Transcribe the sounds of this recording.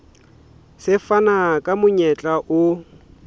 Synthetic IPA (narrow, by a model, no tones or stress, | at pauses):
sɪfanakʼamʊɲɛt͡ɬʼaʔʊ